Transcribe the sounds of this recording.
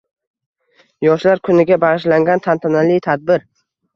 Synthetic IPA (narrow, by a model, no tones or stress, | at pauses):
jɒʃlaɾkʰʊnɪɡʲabaʁɪʃlaŋɡʲant̪ʰant̪ʰanalɪjt̪ʰad̪̚bɪɾ